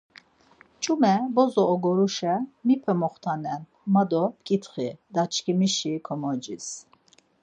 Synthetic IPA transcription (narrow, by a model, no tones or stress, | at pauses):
t͡ʃʼumɛbɔzɔːɡɔɾuʃɛmipʰɛmɔχt̪ʰanɛnʰ | mad̪ɔp̚kʼit̪ʰχid̪at͡ʃʰkʰimiʃikʰɔmɔd͡ʒis